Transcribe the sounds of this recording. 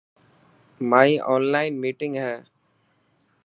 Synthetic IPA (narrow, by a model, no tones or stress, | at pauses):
maɪʔɔːnlaɪnmiːʈɪ̃ŋɡɦɛː